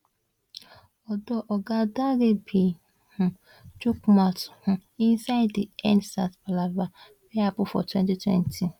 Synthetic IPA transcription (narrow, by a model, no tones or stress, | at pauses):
ɔdɔʔɔɡadaɡebi | hʊ̃ | t͡ʃukmathʊ̃insaɪddiɛnsatpalaba | beapʊfɔ̰twɛntitwɛ̰ntʰi